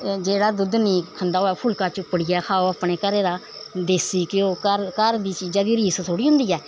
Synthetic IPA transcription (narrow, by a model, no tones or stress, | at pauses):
d͡ʒeːɽaːd̪ʊd̪niːkʰənd̪aːoːɛːpʰʊlkaːt͡ʃʊpːəɽɪjaːkʰaːoːapɳeːkəɾeːd̪aː | d̪eːsiːkɪoːkəɾkəɾd̪iːt͡ʃiːd͡ʒaːd̪iːɾiːst̪ʰoːɽiːɦʊ̃nd̪iːɛː